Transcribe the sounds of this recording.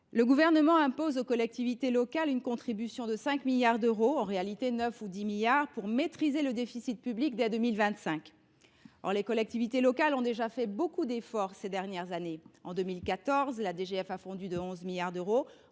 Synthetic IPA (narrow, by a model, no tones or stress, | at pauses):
ləɡuvɛʁnəmɑ̃ɛ̃pozokɔlɛk̚t̪ivit̪elɔkalynkɔ̃t̪χibysjɔ̃d̪əsɛ̃kmiljaʁd̪øʁoɑ̃ʁealit̪enœfud̪imiljaʁpuʁmet̪χizeləd̪efisit̪̚pyblikd̪ɛd̪əmilvɛ̃t̪sɛ̃k | ɔ̰ʁlekɔlɛk̚t̪ivit̪elɔkalɔ̃d̪eʒafɛbokud̪efɔʁsed̪ɛʁnjɛʁzaneɑ̃d̪ømilkat̪ɔʁzlad̪eʒeɛfafɔ̃d̪yd̪əɔ̃zmiljaʁd̪øʁo